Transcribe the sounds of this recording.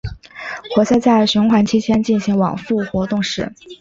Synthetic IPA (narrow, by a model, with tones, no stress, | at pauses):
xwɔ˧˥ɕa˥˧t͡sa˥˩ɪɕʊ˧˥ŋxwa˧˥nt͡ɕʰi˥t͡ɕʰjɛ˥nt͡ɕi˥˩nɕi˧˥ŋwɑ̰˨˩ŋfu˥˩xwɔ˧˥t̪ʊ˥˧ŋʂɻ̩˥˩